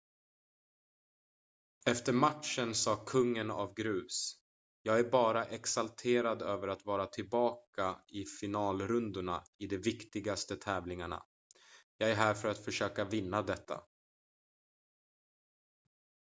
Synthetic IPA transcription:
ɛft̪əɾmat̪ʂənsɑːkʰɵŋːəna̰vɡɾʉ̟ːs | jɑːɡæɾbɑːɾaʔɛksalt̪ʰeːɾad̪øːvəɾat̪vɑːɾat̪ʰɪlbɑːkaɪfɪnɑːlɾɵnd̪ʊɳa̰ɪd̪ɛvɪkt̪ɪɡast̪ət̪ʰɛːvlɪŋaɳa̰ | jɑːɡæɾɦæːɾfœɾat̪fœʂøːkavɪnːad̪ɛt̪ʰːa̰

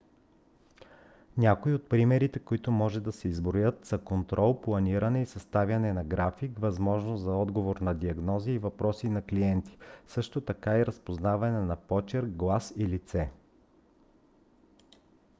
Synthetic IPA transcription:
nʲakoiot̪̚pɾimɛɾit̪ɛkoit̪omɔʒɛd̪ɐsɛizbɾojət̪z̥ɐkont̪ɾʔɔlˠplˠɐniɾɐnɛisɐst̪avʲɐnɛnɐɡɾafikvɐzmɔʒnozɐɔd̪ɡovoɾnɐd̪iɐɡnɔziːvɐpɾɔsinɐkliɛnt̪i̥sɤʃt̪ot̪ɐkaiɾɐspoznavɐnɛnɐpɔt͡ʃɛɾɡlˠasilit̪sɛ

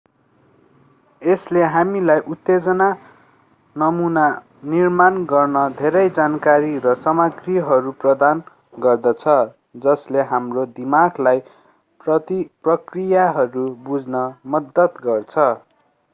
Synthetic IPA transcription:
esleɦamilajʔut̪ːed͡zʌna | nʌmuna | nirmanɡʌrnʌd̪ʱeɾʌjd͡zankaɾirʌsʌmʌɡriɦʌɾuprʌd̪an | ɡʌrd̪ʌt͡sʰʌ | d͡zʌsleɦamrod̪imaɡlaj | prʌt̪iprʌkrijaɦʌɾubud͡znʌmʌd̪ːʌt̪ɡʌrt͡sʰʌ

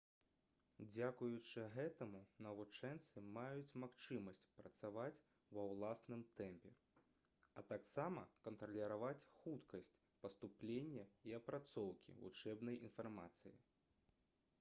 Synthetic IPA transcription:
d͡zʲakujut͡ʂɨɣɛt̪ɐmunɐvut͡ʂɛnt̪sɨmajut͡sʲmaxt͡ʂɨmɐsʲt͡sʲpɾɐt̪savat͡sʲ | wɐwlˠasnɨmt̪ɛmpʲɛ | ɐt̪aksamɐkɐnt̪ɾɐlʲiɾavat͡sʲxut̪kɐsʲt͡sʲ | pɐst̪uplʲenʲːɛiɐpɾat̪sɔwkʲḭvṵt͡ʂɛbnɐjinfarma̰t̪sɨjḭ

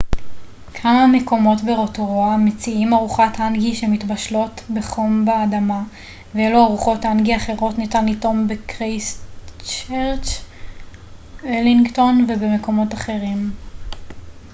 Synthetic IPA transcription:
kʰamame̞ko̞mo̞tbe̞ʁo̞toʁoamet͡siimaʁuχatanɡiʃemitbaʃlo̞tbe̞χo̞mbaːdama | vejeluaʁuχo̞tanɡiaχe̞ʁo̞tnitanito̞mbekʁejst͡ʃeʁt͡ʃ | eliŋɡto̞nvebeme̞ko̞mo̞taχe̞ʁim

